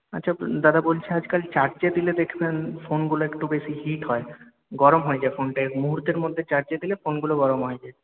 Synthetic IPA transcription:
a̰tːɕʰad̪ad̪ʱabolt͡ɕʰead͡ʑkalt͡ɕaɾd͡ʑed̪iled̪ekʰbenfonɡuloekʈubeʃiɦiʈɦɔe | ɡɔɾomɦɔed͡ʑaefonʈaemuɦuɾt̪eɾmod̪ʱːet͡ɕaɾd͡ʑed̪ilefonɡuloɡɔɾomɦɔed͡ʑae

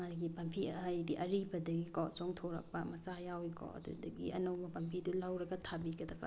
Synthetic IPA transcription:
madɡipɐmpʰiajdiʔɐɾibɐdɐɡikɔʔt͡ʃoŋtʰoɾɐ̰k̚pɐmɐsajawikɔ̰ʔɐ̰dṵdɐɡḭɐ̰nowbɐpɐmpʰidulawɾɐɡɐtʰabiɡɐdɐbɐ̰

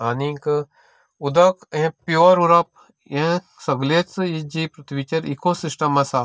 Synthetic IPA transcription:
anik | ud̪ɐkẽpjoɾuɾɐp̚ | ẽ | sɐɡlet͡sɨid͡ʒipɾɐt̪ʰʋit͡ʃɐɾikosisʈɐmɐsa

